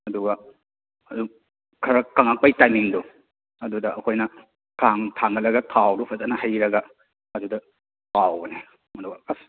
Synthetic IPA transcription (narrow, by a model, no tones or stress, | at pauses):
ɐduɡa | ɐdu | kʰaɾakaŋak̚pajtajmiŋdu | ɐdudɐɐkʰojnɐ | kʰaŋtʰaŋnalɐɡatʰawdupʰatanɐhajɾɐɡa | ɐduda | pawne | mɐduɡas